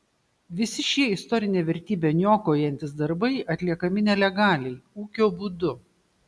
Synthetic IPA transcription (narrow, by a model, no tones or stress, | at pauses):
ʋʲɪsʲɪʃʲiɛɪst̪ɔɾʲɪnʲeːʋʲɛɾʲt̪ʲiːbʲeːnʲoːkoːjɛnʲt̪ʲɪsd̪ɐɾbɐɪʔɐt̪ʲlʲiɛkɐmʲɪnʲɛlʲɛɡɑːlʲɛɪuːkʲoːbud̪ʊ